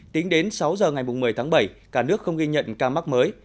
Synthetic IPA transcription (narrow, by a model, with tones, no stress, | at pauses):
t̪ï˨˦ŋ̟ɗe˨˦nsa˨˦wzəː˨˩ŋa˨˩jmʊ˨˩ŋ͡mmɨ˨˩əjt̪ʰaː˨˦ŋɓə˧˩jkaː˧˩nɨ˦˥ək̚xə˧wŋ͡mɣi˧ɲə̰˧˨nkaː˧ma˦˥k̚məː˨˦j